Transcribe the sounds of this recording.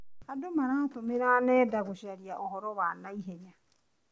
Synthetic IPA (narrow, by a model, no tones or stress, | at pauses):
adomaɾatomeɾanɛːdaɣoʃaɾjaʔɔhɔɾɔβanaiɦeɲa